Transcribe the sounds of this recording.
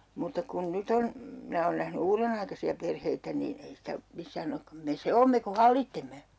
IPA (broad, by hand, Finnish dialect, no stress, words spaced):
mutːɑ kun nyt on minæ oːn næhny uːrenɑikɑsiɑ perheitæ niːn ei sitæ misːæːn okːɑm me se oːmːe ku hɑlːitːemːe